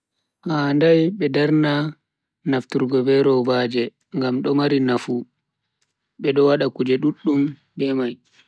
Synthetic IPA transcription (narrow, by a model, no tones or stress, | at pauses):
handajɓɛdaɾna | naftuɾɡɔbɛɾɔbad͡ʒɛ | ŋɡamɗɔmaɾinafu | ɓɛɗɔwaɗakud͡ʒɛɗuɗːum | dɛmaj